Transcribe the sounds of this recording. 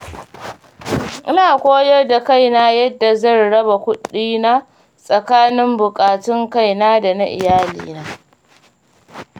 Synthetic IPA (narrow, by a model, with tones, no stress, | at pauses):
ʔɪ˦naː˨kʷoː˦jɐ˦rda˨ka˦˨jnaː˦jɐ˦dːa˨zɐ˦˨nɽɐ˦ba˨kʷʊ˦ɗiː˦na˦ | sʼɐ˨kaː˦nɪ˦mbʊ˨kʼaː˨tɪ˦ŋka˦˨jnaː˦da˨na̰˦ʔɪ̰˨jaː˦lḭː˦naː˦